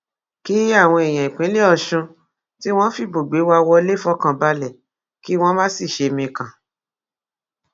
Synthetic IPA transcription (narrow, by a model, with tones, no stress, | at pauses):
ki˦a˦˨w̃ɔ̃˧e˨j̃ã˨i˨k͡pĩ˨˦le˦ɔ˧ʃũ˧ | ti˦w̃ɔ̃˦fi˦˨bo˨ɡ͡be˨˦wa˧˦wɔ˧˦le˦fɔ˦kã˧ba˧lɛ˨ | ki˦w̃ɔ̃˦mã˦si˦˨ʃe˧mĩ˧kã˨